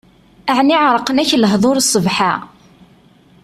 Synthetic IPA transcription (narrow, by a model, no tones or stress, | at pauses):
æʕniʕɾˤəqːənæçləɦðˤoɾsˤːəvħa